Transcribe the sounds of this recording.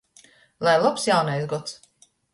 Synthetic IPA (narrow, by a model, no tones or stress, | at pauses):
lˠajlˠɔpsjawnajsɡɔt̪s